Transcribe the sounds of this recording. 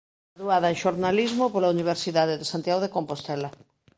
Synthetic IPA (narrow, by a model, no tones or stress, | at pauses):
aðuað̞ɐeŋʃoɾnalizmopolauniβ̞eɾsiðaðeðesant̪jaɣoðekompost̪ɛla